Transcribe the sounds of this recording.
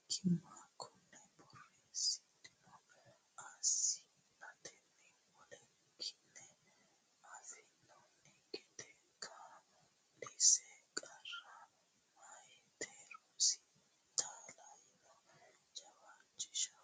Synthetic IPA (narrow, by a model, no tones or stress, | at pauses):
kʰɪmakʰːɔnːɛbɔrːeːsɪt̪ːɪnɔ | asɪ | nɐt̪ʰɛnːɛ | wɔlɛ | kʰːɪnːɛ | ɐfɛnːɔnɛkʼɛt̪ɛ | kʰːa | lɛsɛkʼɐrɐ | majɛt̪ʰeːɾɔsɪ̥ | t̪ʰaːlɐjɪnɔ | d͡ʒɐbat͡ʃːɪ̥ʃɐ̥